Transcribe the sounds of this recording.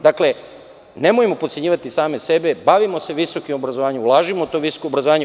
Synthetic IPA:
d̪akle̞ | ne̞mojemo̞pot̪sʲe̞ɲiːʋat̪isaːmese̞be̞baʋimo̞se̞ʋiso̞kimo̞bɾazoʋaːɲemulˠaːʒimot̪o̞ʋiso̥koobɾazoʋaːɲe

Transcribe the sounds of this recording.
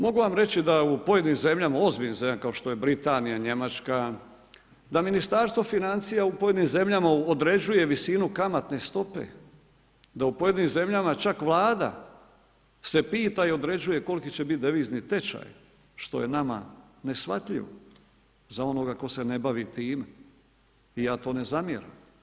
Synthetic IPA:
mo̞ɡuʋamɾe̞t͡ɕid̪aupo̞jed̪nimze̞mʎamao̞zbiʎnimzemʎakao̞ʃt̪o̞je̞bɾit̪anijaɲe̞mat͡ʃka | d̪aminist̪aɾst̪ʋo̞finant̪sijaupo̞je̞d̪nimze̞mʎamaod̪ɾe̞d͡ʑuje̞ʋisinukamat̪ne̞st̪o̞pḛ | d̪aupo̞je̞d̪nimze̞mʎamat͡ʃakʋlˠaːd̪a̰ | se̞piːt̪aio̞d̪ɾe̞d͡ʒuje̞ko̞lkit͡ɕe̞bit̪̚d̪eʋiːznit̪e̞t͡ʃa̰j | ʃt̪o̞̰jenama̰ | ne̞sʋa̰t̪ʎḭʋo̰ | zao̞no̞ɡako̞se̞ne̞baʋit̪iːm | ijaːt̪o̞ːne̞zamjḛɾa̰m

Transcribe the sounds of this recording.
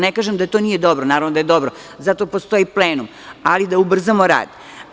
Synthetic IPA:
nekaːʒemd̪at̪onije̞d̪o̞bɾonaːɾaʋnod̪ajed̪o̞bɾo | zat̪opo̞st̪o̞jipleːnum | alid̪aubr̩zamoɾa̰ːd̪̥

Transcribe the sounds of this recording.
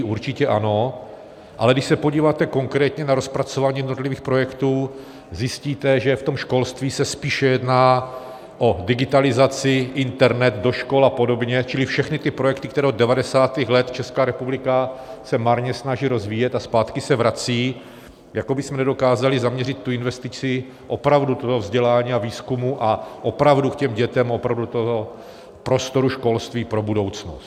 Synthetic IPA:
uɾt͡ʃɪcɛʔano̞ | ʔalɛɡdɪʃsɛpoɟiːvaːt̪ɛko̞ŋkɾɛːt̪ɲɛnaɾo̞spɾat͡so̞vaːɲijɛdnot̪liviːxpɾo̞jɛkt̪uː | zjɪsciːt̪ɛʒɛft̪o̞mʃko̞lst̪viːsɛspiːʃɛjɛdnaː | ʔo̞dɪɡɪt̪alɪzat͡sɪʔɪnt̪ɛɾnɛt̪do̞ʃko̞lapo̞do̞bɲɛt͡ʃɪlɪfʃɛxnɪt̪ɪpɾojɛkt̪ɪkt̪ɛɾɛːod̪dɛvadɛsaːt̪ixlɛt̪t͡ʃɛskaːɾɛpublɪkasɛmaɾɲɛsnaʒiːɾo̞zviːjɛt̪aspaːt̪kɪsɛvɾat͡siː | jako̞bɪsmɛnɛdo̞kaːzalɪzamɲɛrɪt̪ːuɪnvɛst̪ɪt͡sɪ | ʔo̞pɾavdut̪ot̪ovzɟɛlaːɲiːaviːskumuʔaʔo̞pɾavdukcɛmɟɛt̪ɛmʔo̞pɾavdut̪oo | pɾo̞st̪o̞ɾuʃko̞lst̪viːpɾo̞budo̞wt͡snost̪

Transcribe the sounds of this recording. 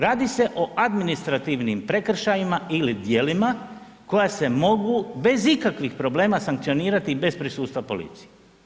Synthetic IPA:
ɾaːd̪ise̞ʔo̞ʔad̪minist̪ɾat̪iʋnimpɾe̞kr̩ʃajimailid̪je̞ːlima | ko̞jase̞mo̞ɡube̞zikakʋixpɾo̞ble̞ːmasaŋk̚t̪sio̞niːɾat̪ibe̞spɾisuːst̪ʋapo̞lḭt̪si̥je

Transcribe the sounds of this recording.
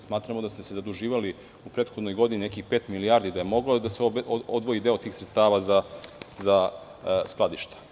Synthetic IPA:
smaːt̪ɾamod̪ast̪esezad̪uʒiːʋali | upɾet̪xod̪nojɡo̞d̪ininekixpeːt̪milijaɾd̪id̪ajemo̞ɡlod̪aseod̪ʋo̞jid̪e̞o̞t̪iːxsɾet̪st̪aːʋazaza | sklˠad̪iʃt̪ḁ

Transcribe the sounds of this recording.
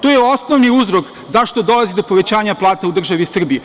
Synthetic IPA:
t̪ojeo̞sno̞ʋniuzɾo̞k | zaʃt̪o̞d̪o̞lˠazid̪o̞po̞ʋe̞t͡ɕaːɲaplˠaːt̪aud̪r̩ʒaʋisr̩biu

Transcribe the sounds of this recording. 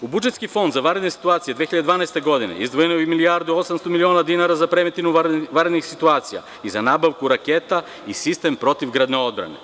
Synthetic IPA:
ubud͡ʒet̪skifo̞nd̪zaʋaɾed̪nesi̥t̪uat̪sijed̪veːiʎad̪d̪vaːnaest̪eɡo̞d̪inḛizd̪ʋojenoimiliaɾd̪uosamst̪omilionad̪inaɾazapɾemet̪inuʋaɾed̪nixsit̪uaːt̪sija̰ | izanabaʋkuɾaket̪a | isist̪empɾo̞t̪ivɡɾad̪neo̞d̪bɾa̰ne

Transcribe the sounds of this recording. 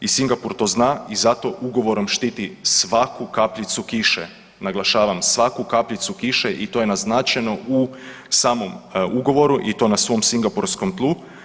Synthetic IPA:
isiŋɡapuɾt̪o̞ːznaːizat̪o̞ʔuɡo̞ʋo̞ɾo̞mʃt̪iːt̪isʋakukapʎʲit̪sukiʃḛ | naɡlˠaʃaːʋamsʋakukapʎit̪sukiʃeʔit̪ojenaznaːt͡ʃeno̞ʔu | saːmo̞muɡo̞ʋo̞ɾuʔit̪o̞ːnasʋo̞msiŋɡapuɾskomt̪lˠu

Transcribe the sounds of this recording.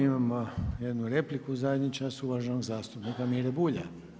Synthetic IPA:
imamojed̪nuɾe̞plikuzajed̪ɲit͡ʃast̪uʋaʒenoɡzaːst̪upnikamiɾebuːʎa̰

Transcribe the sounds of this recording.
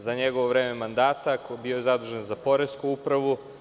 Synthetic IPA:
zaɲeɡo̞ʋoʋɾeːmemand̪aːt̪akobiojezad̪uʒenzapo̞ɾeskuupɾaʋu

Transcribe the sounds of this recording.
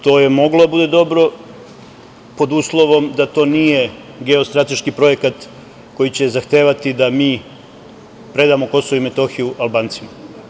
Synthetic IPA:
t̪o̞ːje̞mo̞ɡlod̪abud̪e̞d̪o̞bɾo̞ | po̞d̪uːslˠo̞ʋo̞md̪at̪o̞ːnije̞ | ɡe̞o̞st̪ɾat̪e̞ʃkipɾo̞je̞kat̪ | ko̞jit͡ɕe̞zaxt̪eːʋat̪id̪amiː | pɾe̞d̪aːmo̞ko̞so̞ʋoime̞t̪o̞xijuʔalbaːnt̪sima

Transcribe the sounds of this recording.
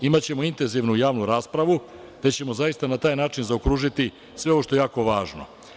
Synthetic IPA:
imat͡ɕe̞mo̞int̪enziʋnujaːʋnuɾaːspɾaʋu | t̪et͡ɕe̞mozaist̪anat̪aːjnaːt͡ʃinzaokɾuːʒit̪i | sʋe̞o̞ʋoʃt̪o̞ejaːko̞ʋaːʒno̞̰

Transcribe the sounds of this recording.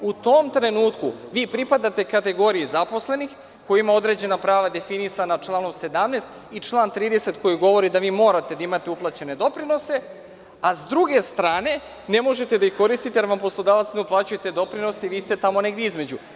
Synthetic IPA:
ut̪omt̪ɾe̞nuːt̪kuʋiːpɾipad̪at̪e̞kat̪e̞ɡo̞ɾijezapo̞sle̞nix | kojimao̞d̪ɾe̞d͡ʑe̞napɾaːʋad̪e̞finisanat͡ʃlˠaːno̞mse̞d̪amneːst̪ | it͡ʃlˠaːnt̪ɾiːd̪e̞se̞t̪ko̞jiɡo̞ʋo̞ɾid̪aʋiːmo̞ːɾat̪e̞d̪aimat̪e̞uplˠat͡ɕe̞ne̞d̪o̞pɾino̞se̞ | azd̪ɾuɡe̞st̪ɾaːne̞ | ne̞mo̞ʒe̞t̪e̞d̪aixko̞ɾist̪it̪ejaɾʋampo̞slˠo̞d̪aːʋat̪sneuplˠaːt͡ɕujet̪ed̪o̞pɾino̞seiʋiːst̪e̞t̪amo̞ne̞ɡd̪jeizme̞d͡ʑu

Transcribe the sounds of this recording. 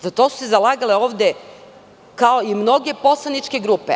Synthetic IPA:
zat̪o̞su̥sezalˠaɡaleoːʋd̪e̞ | kao̞imno̞ɡe̞po̞slˠanit͡ʃke̞ɡɾupḛ

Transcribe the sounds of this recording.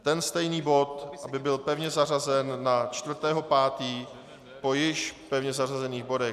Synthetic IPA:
t̪ɛnst̪ɛjniːbo̞t̪ʔabɪbɪlpɛvɲɛzar̝azɛnːat͡ʃt̪vr̩t̪ɛːɦo̞paːt̪iː | po̞jɪʃpɛvɲɛzar̝azɛniːɣbo̞dɛ

